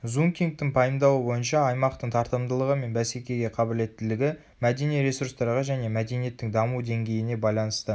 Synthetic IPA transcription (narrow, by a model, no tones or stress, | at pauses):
zuŋkʲiŋk̚t̪ɪŋpʰɑjəmd̪ɑwəbo̞jənʃɑːjmɑqt̪əɴt̪ʰɑɾt̪əmd̪əlˠəʁəme̞nbæse̞kʲe̞ɡʲe̞qʰɑbɪle̞t̪ːɪlɪɡʲɪ | mæd̪e̞nijɾe̞suɾst̪ɑɾʁɑʒæne̞mæd̪e̞nije̞t̪ːɪŋd̪ɑmud̪e̞ŋɡʲe̞jɪne̞bɑjlˠɑnəst̪ə